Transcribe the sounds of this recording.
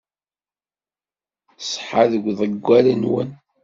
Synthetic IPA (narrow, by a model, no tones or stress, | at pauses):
sˤħaðəɡʷðˤəɡʷːælənwə̰n